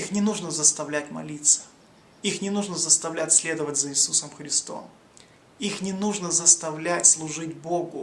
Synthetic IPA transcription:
ixnʲɪnuʐnəzəst̪ɐvlʲætʲmɐ̰lʲit̪sə̥ | ixnʲɪnuʐnəzəst̪ɐvlʲætʲsʲlʲe̞d̪əvətʲzəɪsusəmxɾʲɪst̪o̞̰m | ixnʲɪnuʐnəzəst̪ɐvlʲætʲslˠʊʐɨtʲboɡʊ

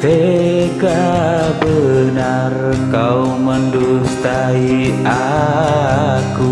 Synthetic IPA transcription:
seɡabəna | r | kau | məndust̪aia | ku

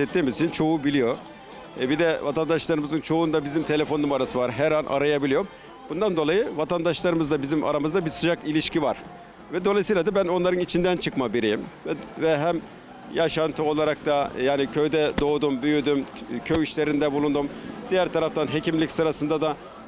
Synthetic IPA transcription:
ɛt̪ːiːmizit͡ʃʰint͡ʃʰo̞ubilʲijo̞ | bid̪ɛvat̪ʰand̪aʃlˠaɾɯmɯzɯnt͡ʃʰo̞und̪abizimt̪ʰe̞lʲe̞fo̞numaɾasɯvaɾɦæɾanʔa̰ɾajabilʲijo̞ | b̥und̪and̪o̞lˠajɯvat̪ʰand̪aʃlˠaɾɯmɯzd̪abizima̰ɾamɯzd̪abiɾsɯd͡ʒakilʲiʃcivaɾ̥ | vɛd̪o̞lˠajsijlʲad̪abæno̞nlˠaɾɯnit͡ʃʰind̪ænt͡ʃʰɯkmabiɾijimvɛvɛɦæm | jaʃant̪ʰɯo̞lˠaɾak̚t̪ʰajaːnicʰø̞jd̪ɛd̪o̞ːd̪umbyjyd̪ymcʰøjiʃlʲe̞ɾind̪ɛbulˠund̪umd̪̥ijæɾt̪ʰaɾaft̪ʰanɦe̞cimlʲicsɯɾasɯnd̪ad̪a

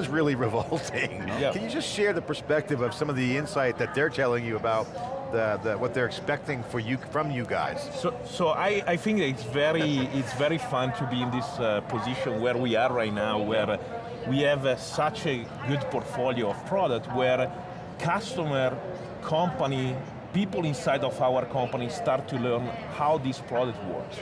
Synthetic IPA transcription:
nzɹɪlˠiɹɨvɔlˠtʰɪ̃ŋjækʰɨ̃njɨd͡ʒʌstʃɛɹðɨpʰə˞spɛk̚tɨvʌv̥sʌ̃mʌvðiɪ̃nsaɪt̪̚ðɨt̪̚ðə˞tʰɛlˠɪ̃ŋjɨəbaʊt̪̚ðɨðɨwʌt̪̚ðə˞ɨkspɛk̚tɪ̃ŋfə˞jɨfɹʌ̃mjɨɡa̰ɪz̥so | soʔajajθɪ̃ŋk̚ɪtsvɛɹiɪtsvɛɹifãnt̪ʰubiɪ̃nd̪ɪspʰoziʃɔ̃nwɛɹwiaɹːajtnawwɛɹ | wiɛvsat͡ʃɛ | ɡud̪pɔɾt̪foljoɔv̥pʰɹɔdək̚twɛɹ | kʰast̪ɔməɹ | kʰɔ̃mpani | pipəlĩnsajd̪ɔfawəɾkʰɔ̃mpanist̪aɾt̪ʰːulɛɾn | hawd̪ispɹɔdək̚twɔ̰ɹks

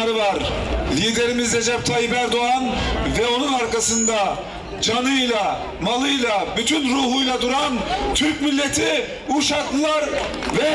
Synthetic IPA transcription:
ɾɯvaɾlʲiːd̪e̞ɾimizɾed͡ʒɛp̚t̪ʰajipæɾd̪oanvɛo̞nunaɾkasɯnd̪a | d͡ʒanɯjlˠa | malˠɯjlˠabyt̪ʰynɾuːɦujlˠad̪uɾant̪ʰyɾcʲmilʲːet̪ʰi | uʃaklˠɯlˠaɾ | vɛ

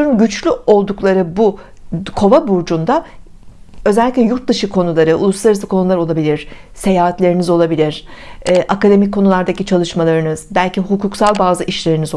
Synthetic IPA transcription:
uɾunɟyt͡ʃlʲyo̞lˠd̪uklˠaɾɯbu | kʰo̞vabuɾd͡ʒund̪a | ø̞zɛlʲːic̬ʲlʲɛjuɾt̪̚d̪ɯʃɯkʰo̞nulˠaɾɯʔṵlˠuslˠaɾɯzɯkʰo̞nulˠaɾo̞lˠabilʲiɾ̥se̞jaːɦat̪lʲe̞ɾinizo̞lˠabilʲiɾ̥ɛːʔakad̪e̞mikʰo̞nulˠaɾd̪acit͡ʃʰalˠɯʃmalˠaɾɯnɯz̥bælʲciɦukuːksalˠbaːzɯʔiʃlʲe̞ɾiniz

